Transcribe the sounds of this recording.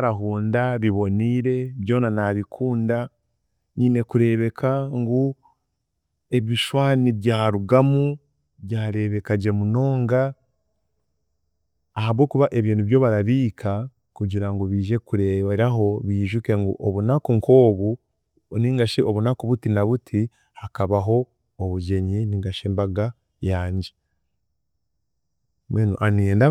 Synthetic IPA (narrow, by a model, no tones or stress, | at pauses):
ɾaɦuːndaɾiβo̞niɾe̞βjo̞ːnanaβikʰuːnda | niːne̞kuɾe̞βe̞kʰaŋɡu | e̞βiʃwaːniβjaːɾuɡamu | βjaːɾe̞βe̞kaɟe̞muno̞ːŋɡa | haβwo̞ːkuβaʔe̞βjiːnuβjo̞βaɾaβiːkʰa | kuɟiɾaŋɡoβiːʒe̞kuɾeβaɾaɦo̞βiːʒuke̞ŋɡo̰ʔoβunakoŋkʰo̞ːβu | niŋɡaʃeʔoβunakoβutinaβutʰi | hakaβaɦo̞ː | βuɟe̞ɲiniŋɡaʃeːmbaɡa | jaːɲɟe | mweːnṵʔaneːnda